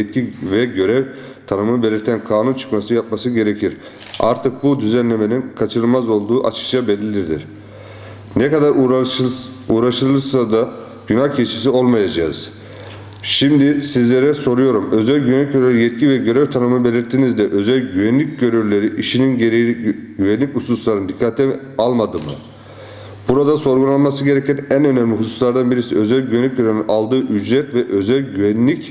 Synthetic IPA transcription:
ɛt̪̚civɛɟø̞ɾɛv | t̪ʰanɯmɯnɯbe̞lʲiɾt̪ʰænkʰaːnunt͡ʃʰɯ̥kmasɯjap̚masɯɟe̞ɾecʰiɾ | a̰ɾt̪ʰɯk̚bud̪yzænlʲe̞me̞ninkʰat͡ʃʰɯɾɯlˠmazo̞lˠd̪uːʔa̰t͡ʃʰɯ̥k̚t͡ʃʰabe̞lʲilʲiɾd̪ḭɾ̥ | nɛkad̪aɾ | uːɾaʃɯlˠɯɾsad̪a | ɟ̥ynaxcʰet͡ʃʰisio̞lˠmajad͡ʒaɯ̰z̥ | ʃimd̪isizlʲe̞ɾɛso̞ɾujo̞ɾumø̞zælʲɟyβɛnʲicøɾɛɾjɛt̪̚cʰivɛɟø̞ɾɛvt̪ʰanɯmɯnɯbe̞lʲiɾt̪ʰːiːnizd̪ɛʔø̞zælʲɟyvænlʲic̚ɟøɾyɾlʲe̞ɾiʔiʃininɟeɾejiɟyvænlʲicususlˠaɾɯnd̪ikʰːat̪ʰɛ | alˠmad̪ɯmɯ̰ | buɾad̪aso̞ɾɡunˠanmasɯɟe̞ɾɛcʰænænø̞næmlʲiɦususlˠaɾd̪anbiɾisiø̞zælʲɟyβɛnlʲːic̚ɟøɾøɾnynʔalˠd̪ɯːʔyd͡ʒɾɛt̪vɛʔø̞zælʲɟyvɛnlːʲic

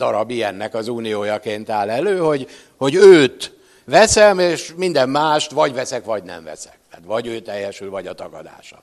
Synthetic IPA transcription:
d̪ɒɾɒbijɛnːɛkɒzuːnijoːjɒkeːnt̪aːlɛløːho̞ɟ | ho̞ɟøːt̪ | ʋɛsɛmeːʃmind̪ɛmːaːʃt̪ʋɒɟvɛsɛkvɒɟnɛ̰ɱvɛ̰sɛ̥k̚t̪aːt̪ʋɒɟøːt̪ɛjːɛʃylvɒɟɒt̪ɒɡɒd̪a̰ːʃɒ̥̰

